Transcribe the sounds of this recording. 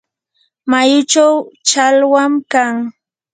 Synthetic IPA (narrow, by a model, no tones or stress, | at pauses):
majʊt͡ʃawt͡ʃalwamkaŋ